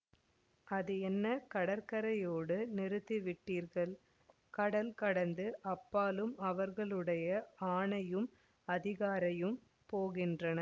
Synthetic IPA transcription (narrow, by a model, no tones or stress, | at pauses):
ɐðɯɛnːɐkɐɽɐɾkɐɾɐjoːɽɯnɪɾɯt̪ːiʋɪʈːiːɾɣɐɭ | kɐɽɐlkɐɽɐnd̪ɯʔɐpːaːlɯmɐʋɐɾɣɐɭɯɽɐjɐaːɳɐjɯm | ɐðɪɣaːɾɐjɯm | poːɣɪndrɐnɐ